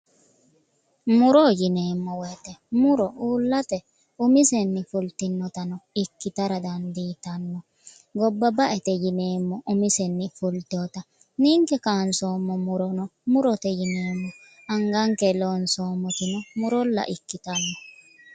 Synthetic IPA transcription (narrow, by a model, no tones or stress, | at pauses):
mʊɾoːjɪneːmːɔwɛjt̪ɛmʊɾɔuːlːɐt̪ɛ | ʊmɪsɛnːɪfʊlt̪ɪnːɔt̪ɐnɔɪkːɪt̪ɐɾɐd̪ɐnd̪iːt̪ɐnːɔ | ɡɔbːɐbɐʔɛt̪ɛjɪneːmːɔʔʊmɪsɛnːɪfʊlt̪oːt̪ɐ | niːŋkɛkaːnsoːmːɔmʊɾɔnɔmʊɾɔt̪ɛjɪneːmːɔ | ɐŋɡɐŋkɛloːnsoːmːɔt̪ɪnɔmʊɾɔlːɐ̰ʔɪkːɪt̪ɐnːɔ